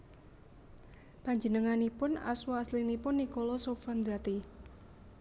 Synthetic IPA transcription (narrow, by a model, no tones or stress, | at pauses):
paɲd͡ʒənəŋanipʊna̰swɔaslinipʊnːikolɔsofand̪ɾat̪i